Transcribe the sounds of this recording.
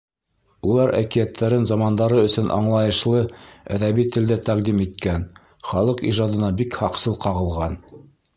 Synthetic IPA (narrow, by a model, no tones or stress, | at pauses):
ulˠɑɾæ̰kijæt̪ʰːæɾɘnzɑmɑnd̪ɑɾɤɵ̆sɵnʔɑ̰ɴlˠɑjɤ̆ʃlˠɤæ̰ðæβit̪ɘ̆ld̪æt̪æqd̪imit̪̚kæn | χɑlˠɤqḭʒɑd̪ɤ̆nɑbikhɑqsɤlˠqɑʁɤ̆lˠʁɑn